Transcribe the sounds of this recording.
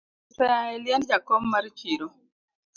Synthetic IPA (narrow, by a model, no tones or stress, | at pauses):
sɛaɛljɛnd͡ʒakɔmːaɾt͡ʃiɾo